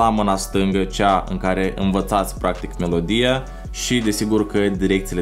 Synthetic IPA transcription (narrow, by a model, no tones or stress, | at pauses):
amɨnast̪ɨŋɡət͡ʃaɨ̰ŋkaɾe̞ʔɨ̰nvət̪sat̪sʲpɾʔak̚t̪ikme̞lo̞d̪ija | ʃid̪e̞siɡurkəd̪iɾe̞k̚t̪sile